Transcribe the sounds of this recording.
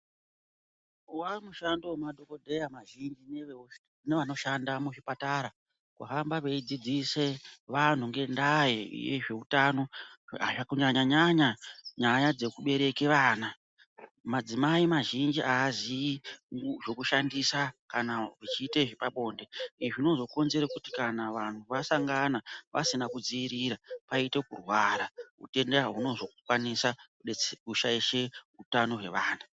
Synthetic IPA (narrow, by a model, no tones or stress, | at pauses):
uwamuʃando̞maɗʱo̞ko̞dʱe̞jamaʒind͡ʒi | neʋano̞ʃandamuʐipataɾa | kuɦambaʋe̞id͡zid͡zise̞ʋan̤uŋɡe̞ndajḛjḛʐe̞utano̞a̰ʐakuɲaɲaɲaɲaɲajad͡ze̞kuɓe̞ɾe̞ke̞ʋaːna | mad͡zimaimaʒind͡ʒiʔaːziiŋʐo̞kuʃandisakanaʐit͡ʃiːteʐepaɓo̞ːnde̞iʐino̞zo̞ko̞nze̞ɾakuti̥kanaʋan̤uʋasaŋɡanaʋa̰sinakud͡ziiɾiɾapaite̞kṵrwaɾaɦṵte̞ndaɦuno̞zo̞kkwanisa | kuʃaiʃe̞ɦutano̞ɦwe̞̰ʋaːna